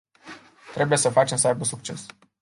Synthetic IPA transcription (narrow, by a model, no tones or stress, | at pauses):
t̪ɾe̞buje̞səfat͡ʃe̞msəajbəsuk̚t͡ʃe̞s